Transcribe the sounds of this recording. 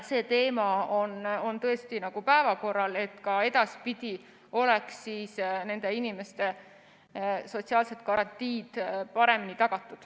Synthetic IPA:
se̞ːt̪e̞ːmɑo̞no̞nt̪ɤ̞e̞st̪inɑɡ̥upæevɑko̞rːɑle̞t̪kɑe̞d̪ɑspid̪̥i | o̞leksːiːsne̞nd̪̥e̞inime̞st̪e̞ | so̞tsiɑːlset̪̚kɑɾɑnt̪iːd̪̥pɑɾe̞minit̪ɑɡ̥ɑt̪ːˑud̪̥

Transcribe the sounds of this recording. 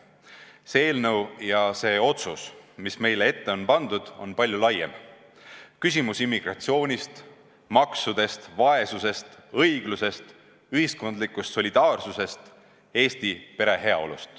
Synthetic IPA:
seeːlnəwjɑse̞ːo̞t̪susmisme̞jlee̞t̪ːe̞o̞npɑnd̪̥ud̪̥o̞̰npɑlʲjulɑjḛm | kys̬ʲimusimːiɡ̥ɾɑt̪sio̞ːnʲist̪ | mɑksud̪̥e̞st̪vɑe̞suse̞st̪ɤjɡ̥luse̞st̪ | yɦisko̞nd̪likːˑust̪so̞lʲid̪̥ɑːrsuse̞st̪ | e̞ːst̪ipe̞ɾe̞ɦe̞ɑ̰o̞̰lṵst̪

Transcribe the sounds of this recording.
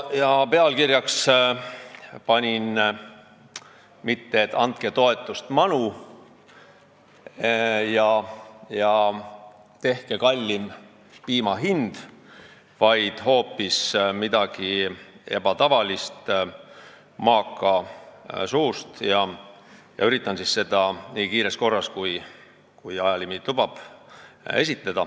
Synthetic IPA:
jɑpe̞ɑlkiɾjɑks | pɑnʲin | mit̪ːeːt̪ːˑɑnt̪̚ket̪o̞e̞t̪ːˑust̪mɑnu | jɑjɑ | t̪e̞hkekɑlʲːim | piːmɑɦind̪̥ | vɑjd̪̥ho̞ːpːismid̪ɑɡ̥ie̞̰b̥ɑt̪ɑvɑlist̪ | mɑːkˑːɑ | suːst̪jɑ | jɑ̰yɾit̪ˑːɑnsisse̞d̪̥ɑniːkiːɾesko̞rːɑskuj | kujɑjɑlimilub̥ɑb̥ | e̞sit̪ˑːɑd̥̪ɑ

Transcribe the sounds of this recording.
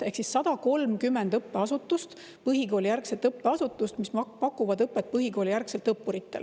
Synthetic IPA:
e̞hksisːɑd̪̥ɑko̞lmkymːend̪ɤpːe̞ɑsut̪ːˑust̪ | pɤɦiko̞ːlijærkset̪ɤpːe̞ɑsut̪ːˑust̪mispɑkːˑuvɑd̪ɤpːˑet̪̚pɤɦiko̞ːlʲijærkselt̪ɤpːuɾit̪ːˑe̞̰l

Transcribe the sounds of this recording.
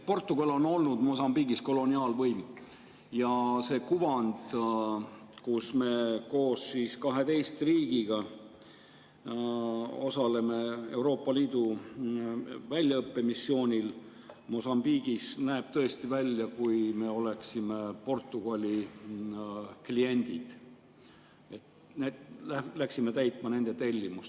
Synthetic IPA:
po̞rt̪ːˑuɡ̥ɑlo̞no̞lnud̪mo̞s̬ɑmbiɡ̥isko̞lo̞niɑːlvɤjm | jɑse̞ːkuvɑnd̪̥ | kusme̞ko̞ːsːiskɑɦe̞t̪e̞jst̪riːɡ̥iɡ̥ɑ | o̞sɑle̞me̞e̞wɾo̞ːpːˑɑliːd̪u | vælʲjɑɤpːe̞misːjo̞ːnʲil | mo̞sɑmb̥iːɡ̥isnæeb̥̚t̪ɤ̞e̞st̪ivælʲjɑkujme̞o̞le̞ksime̞po̞rt̪ːˑuɡ̥ɑlʲi | klie̞nʲd̪̥id̪̥ | et̪ | ælæksime̞t̪æjt̪ˑmɑne̞nd̪̥e̞t̪e̞lʲːimust

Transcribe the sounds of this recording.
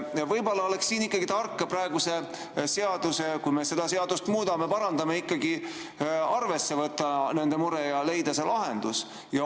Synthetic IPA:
ɑvɤjbo̞lːɑo̞leksːiːnikːˑɑɡit̪ɑrkːeprɑeɡ̥use̞ | se̞ɑd̪̥usekujme̞se̞d̪̥ɑse̞ɑd̪̥ust̪muːd̪̥ɑme̞pɑɾɑnd̪̥ɑme̞ikːˑɑɡi | ɑrve̞sːe̞vɤt̪ːˑɑne̞nd̪̥e̞muɾejɑle̞jd̪̥ɑse̞lʔɑɦe̞̰nd̪̥us | jɑ

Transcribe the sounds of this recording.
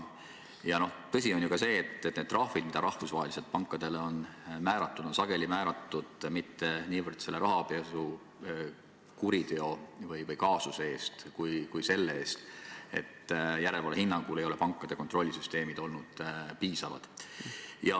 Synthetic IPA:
jɑno̞t̪ɤsʲio̞njukɑse̞ːt̪ːet̪ned̪rɑhvid̪̥mid̪̥ɑɾɑhfusvɑɦelise̞lt̪̚pɑŋkːˑɑd̪̥e̞leo̞nmæːɾɑt̪ːud̪̥onsɑɡ̥e̞limæːɾɑt̪ːˑud̪̥mit̪ːe̞niːvərd̪̥se̞lːeɾʔɑɦɑpesu | kuɾit̪e̞ovɤjvɤjkɑːsusee̞ːst̪kujkujse̞lːeeːst̪e̞̰t̪ːjæɾe̞lvɑlhinːɑŋɡ̥ule̞jo̞lepɑŋkːˑɑd̪̥e̞ko̞nt̪ɾro̞lʲːisyst̪e̞ːmid̪̥o̞lnud̪̥piːsɑvɑ̰d̪̥ | jɑ

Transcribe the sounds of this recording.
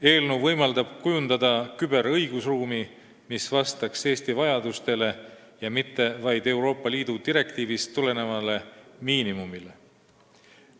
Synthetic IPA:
e̞ːlnuvɤjmɑld̪̥ɑb̥̚kujund̪̥ɑd̪̥ɑkybe̞ɾɤjɡ̥usruːmi | misvɑst̪ɑkse̞ːst̪ivɑjɑd̪̥ust̪e̞le̞ | jɑmit̪ːe̞vɑjd̪e̞wɾo̞ːpːˑɑliːd̪̥ud̪̥iɾe̞kt̪iːvisule̞ne̞vɑle̞miːnimumile̞

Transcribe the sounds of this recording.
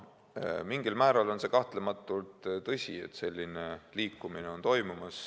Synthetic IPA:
miŋɡ̥ilmæːɾɑlo̞nse̞kɑht̪lemɑt̪ːˑult̪t̪ɤsʲie̞̰t̪ːse̞lʲːineliːkːˑumineo̞nt̪o̞jmumɑs

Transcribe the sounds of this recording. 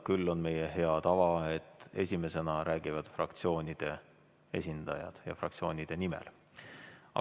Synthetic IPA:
kylːo̞nme̞jeɦe̞ɑt̪ɑvɑe̞t̪ːesʲime̞se̞nɑɾæːɡ̥ivɑd̪̥frɑkt̪sio̞ːnʲid̪̥e̞ | e̞sʲind̪̥ɑjɑ̰d̪̥jɑ̰frɑ̰k̚t̪sio̞ːnʲid̪̥e̞nimḛl | ɑ̰

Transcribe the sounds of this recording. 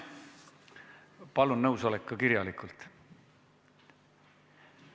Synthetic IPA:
pɑlunːnɤwso̞lekːɑkiɾjɑlikˑult̪ˑ

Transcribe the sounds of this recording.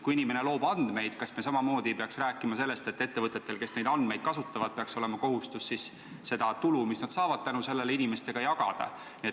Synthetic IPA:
kuinime̞ne̞lo̞ːbɑnd̪̥me̞jd̪̥kɑsmesɑmɑmo̞ːd̪̥ʲipeɑksræːkːˑimɑse̞lːe̞st̪e̞t̪ːˑe̞t̪ːe̞vɤt̪ːˑe̞t̪ːˑe̞lke̞sne̞jd̪ɑnd̪me̞jd̪̚kɑsut̪ːˑɑvɑd̪̥̚pe̞ɑkso̞le̞mɑko̞ɦust̪usːis | se̞d̪̥ɑt̪ulumisnɑd̪sɑːvɑd̥̪̚t̪ænuse̞lːe̞leinime̞st̪e̞ɡ̥ɑjɑɡ̥ɑ̰d̪̥ɑ̰ | nie

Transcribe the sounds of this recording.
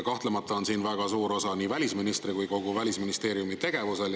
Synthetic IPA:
kɑht̪le̞mɑt̪ːˑɑo̞nsiːnvæɡ̥ɑsuːɾo̞sɑniːvælʲisminist̪rikujko̞ɡ̥uvælʲisminist̪e̞ːɾiumit̪e̞ɡ̥e̞vuse̞l

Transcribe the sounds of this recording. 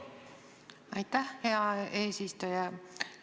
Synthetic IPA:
ɑjt̪æhheɑeːsist̪ojæ

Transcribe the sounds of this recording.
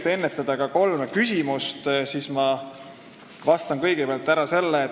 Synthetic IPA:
t̪e̞nːet̪ːˑɑd̪̥ɑkɑko̞lmekysʲimust̪sismɑ | vɑst̪ɑnkɤjɡ̥epeɑlt̪ːˑæɾɑse̞lːeː

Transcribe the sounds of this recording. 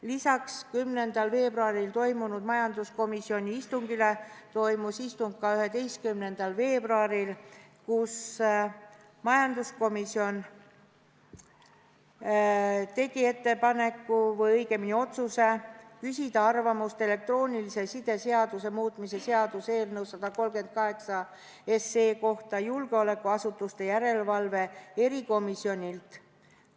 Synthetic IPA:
lisɑkskymne̞nd̪̥ɑlve̞ːbɾuɑɾilt̪o̞jmunud̪̥mɑjɑnd̪usko̞misio̞nʲiist̪uŋɡ̥ile̞t̪o̞jmusist̪uŋɡ̥̚kɑyɦe̞d̪e̞jst̪̚kymne̞nd̪̥ɑlve̞ːb̥ruɑɾilkus | mɑjɑnd̪usko̞misio̞n | t̪e̞ɡ̥ie̞t̪ːe̞pɑne̞kːuvɤjɤjɡe̞minio̞t̪suse̞kysʲid̪̥ɑɑrvɑmust̪e̞le̞k̚t̪ro̞ːnʲilisesid̪̥e̞se̞ɑd̪use̞muːt̪ˑmise̞seɑd̪̥use̞ːlnɤwsɑd̪̥ɑko̞lmɡe̞nt̪̚kɑɦe̞ksɑ | e̞sːe̞ːko̞ht̪ɑjulɡ̥eo̞le̞kːˑuɑsut̪ːˑust̪e̞jæɾe̞lvɑlve̞e̞ɾiko̞misio̞nʲilt̪

